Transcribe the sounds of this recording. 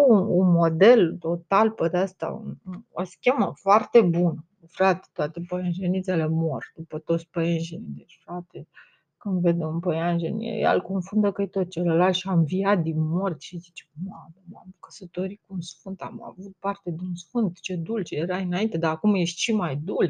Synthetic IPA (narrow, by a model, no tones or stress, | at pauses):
uunmo̞d̪e̞lt̪o̞t̪alped̪east̪a̰ṵnoskʲeməfoart̪e̞bun | fɾat̪e̥t̪oat̪epəjenʒenit̪sele̞morʲd̪upət̪o̞t̪sʲpəjenʒenid̪et͡ʃfɾat̪e | kɨnd̪ved̪eunpəjanʒenḭḛja̰lko̞nfund̪əkəjt̪ot̪̚t͡ʃelelalt̪ʃiaɱviat̪̚d̪inmort̪ʲʃizit͡ʃemad̪emamkə̥sət̪o̞ɾikuunsfɨnt̪a̰ma̰vut̪̚part̪e̞d̪eunsfɨnt̪t͡ʃe̞d̪ult͡ʃeeɾainaint̪e̞d̪aːkumjeʃt̪ʃimajd̪ul